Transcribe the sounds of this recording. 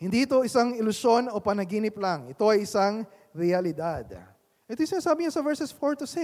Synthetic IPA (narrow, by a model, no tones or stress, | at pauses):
hɪnd̪iːt̪o̞ʔɪsaŋɪlʊʃo̞no̞pɐnɐɡiːnɪplaŋɪt̪o̞ɐjɪsaŋ | ɾɛɐlɪd̪ad̪ | ʔɛt̪ojʊsɪnaːsaːbɪɲasɐvɛɹsɛsfoɹt̪ʊsɪ